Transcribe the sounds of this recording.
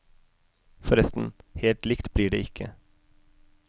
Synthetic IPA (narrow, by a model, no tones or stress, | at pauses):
fɔɾɛst̪n̩heːlt̪lɪkt̪bliːɖḛːɪkʰə̰